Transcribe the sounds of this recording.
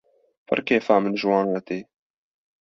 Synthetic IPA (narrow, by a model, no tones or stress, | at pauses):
fɐ̰ɾkeːfaːmɨnʒwɑːnɐt̪eː